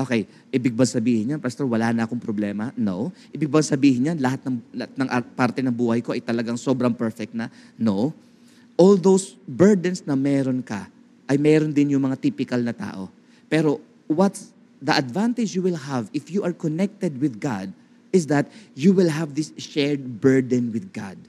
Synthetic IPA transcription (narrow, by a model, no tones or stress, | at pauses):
ʔoːkɛj | ʔɪbɪɡ̚baɡsɐbiːhɪɲɲanpɐst̪owɐlaːnɐʔɐkoŋpɾoblɛːmɐno̰ʔɪbɪɡ̚baɡsɐbiːhɪɲɲanlɐhat̪̚nɐŋt̪nɐŋʔapaɾt̪ɛnɐŋbuːhɐjko̞ʔɐjt̪ɐlɐɡaŋso̞ːbɾɐŋpɛɹfɛk̚t̪nɐnow | ʔold̪owsbɛɹd̪ɛnsnɐmɛːɾonkɐ̰ | ʔɐjmɛːɾond̪ɪnjʊŋmɐŋat̪iːpɪkɐlnɐt̪a̰ːʔo̞̰ | pɛːɾo̞ | wɐt̪ | ðɐʔɐd̪vãnt̪ɪd͡ʒjuwɪlɦɐvɪfjuʔɐɹkonɛk̚t̪ɛd̪̚wɪðɡa̰d̪̚ | ɪsðɐt̪̚juwɪlɦɐvðɪsʃɛɹd̪̚bɛɹd̪ɛnwɪðɡa̰d̪̚